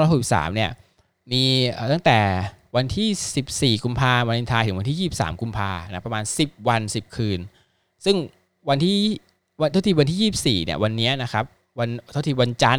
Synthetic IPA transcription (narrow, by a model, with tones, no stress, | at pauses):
hu˨˩spsa̰ː˩˦mni˥˩ɐ | miː˧əː˨˩t̪a˥˩ŋt̪ɛː˨˩wa˧nt̪ʰiː˥˩si˨˩p̚siː˨˩ku˧mpʰaː˧wa˧li˧nt̪ʰaː˧t̪ʰɯ˩˦wa˧nt̪ʰiː˥˩iː˥˩p̚sa̰ː˩˦mku˧mpʰaː˧na˦˥pɾa˧maː˧nsi˨˩p̚wa˧nsi˨˩p̚kʰɯː˧n | sɯ˥˩ŋ | wa˧nt̪ʰiː˥˩ | wa˧nt̪ʰa˥˩iː˧˩wa˧nt̪ʰiː˥˩jiː˥˩˨p̚siː˨˩ni˥˩ɐwa˧nːi˦˥ɐna˦˥kʰa˦˥p̚ | wa˧nʰ˩a˥˩t̪ʰiː˧˩wa˧nt͡ɕa˧n